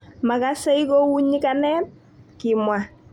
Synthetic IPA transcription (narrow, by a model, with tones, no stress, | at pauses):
ma˨ka˦sɛ˦i˦ko˦wu˦ɲi˦ka˦nɛ˦ | kɪ˨mwa˨